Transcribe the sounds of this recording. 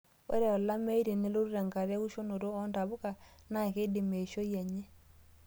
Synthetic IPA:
o̰˦ɾɛ˨ɔ˨la˦mɛ˦i˦ɾe˨ne˦lo˦ɾu˦ɾa˨ŋɡa˨ɾa˦ɣu˦ʃo˦no˨ɾo˦ɔ˦nta˨βo˦ka˨na˦˨ke˦de˨me˨ʃo˦jɛ˨ɲɛ˦

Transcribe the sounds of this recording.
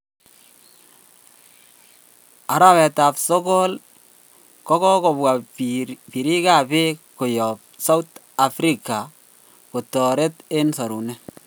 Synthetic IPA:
a˨ɾa˨wɛ˨ta˨pso˦ko˦l | kɔ˦kɔ˦ko˨bwa˨ | pi˨ɾi˦ka˨pe˦ko˨jɔ˨p̚sa˦wt | a˨fɾi˨ka˨ | ko˨tɔ˨ɾe˦te˦nsa˨ɾu˨ne˦

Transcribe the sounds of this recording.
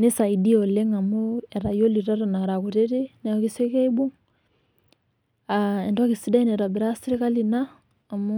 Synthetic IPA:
ne˦sa˨i˨di˦ɔ˨le˦ŋa˨mu˦ɛ˨ɾa˨jo˦li˨ɾa˦ɾa˨na˨ɾa˨ɣu˨ɾe˦ɾi˦nɛ˨ɣi˦se˦ɣe˦i˦bu˦ŋ | aɛ˨ndwa˦ɣi˨si˦da˦i˦nɛ˨ɾa˨bi˨ɾa˦si˦ɾi˦ka˦li˨naː˦˨ | mu˦

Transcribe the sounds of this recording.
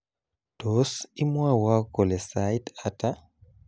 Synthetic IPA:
d̥o˨˦si˦mwa˦wa˦ko˨lɛ˨sa˨ita˦ta˦

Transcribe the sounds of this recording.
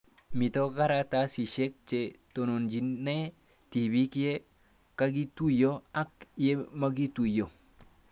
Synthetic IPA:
mi˨to˦ɡa˦ɾa˦ta˦si˨ʃe˦k̚t͡ʃe˨to˨no˨nd͡ʒi˨nːe˦ | ti˨bi˦kje˦ | ka˦ɡi˦tu˦jo˦a˦kje˦ma˦ɡi˦tu˨jo˨

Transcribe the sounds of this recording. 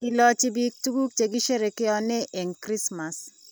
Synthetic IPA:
i˦lɔ˦t͡ʃɪ˦bi˦k̚tu˦ɡu˦k̚t͡ʃe˨ɡi˦ʃe˦ɾe˨kɪ˦ɔ˦nɛ˦ʔɛ˨ŋkɾi˦sma˨s

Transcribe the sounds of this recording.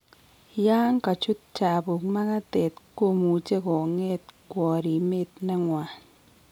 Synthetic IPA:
ja˦ŋka˨t͡ʃu˦t̚t͡ʃa˨bu˨kma˦ka˦te˨tko˦˨mu˨t͡ʃe˦kɔ˨ŋe˦t̚kwɔ˨ɾi˨me˦t̚na˦ŋwa˨n

